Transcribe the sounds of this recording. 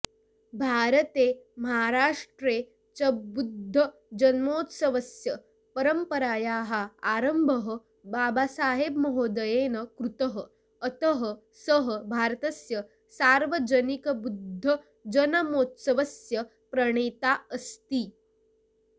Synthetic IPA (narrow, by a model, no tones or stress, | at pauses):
bʱaːɾət̪eːmɐɦaɾaːʂʈɾeː | t͡ʃɐbud̪ʱːə | d͡ʒɐnmoːt̪sɐʋəsjə | pɐɾəmpəɾaːjaːɦaaɾəmbʱəɦə | baːbasaːɦebmɐɦoːd̪əjeːnəkɾut̪əɦəː | t̪əɦə | səɦəbʱaːɾt̪ɐsjə | saɾʋəd͡ʒənikəbud̪ʱːə | d͡ʒənəmoːt̪səʋəsjə | pɾɐɳ̃eːt̪aəst̪iː